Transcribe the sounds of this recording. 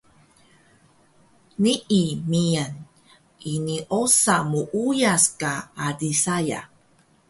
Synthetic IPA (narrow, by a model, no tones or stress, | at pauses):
niʔimian | iniʔosamuʔujaskaːdisaja̰